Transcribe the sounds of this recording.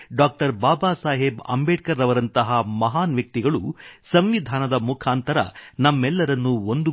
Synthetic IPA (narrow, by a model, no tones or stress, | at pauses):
ɖaːk̚ʈɐɾbaːbaːsaːɦebɐ̰mbeːʈ̚kɐɾɐʋɐɾɐnt̪ɐɦɐmɐɦaːnʋjɐk̚t̪iɡɐɭusɐmʋid̪ʱaːnɐd̪ɐmukʰaːnt̪ɐɾɐ̰nɐmːɛlːɐɾɐnːuond̪u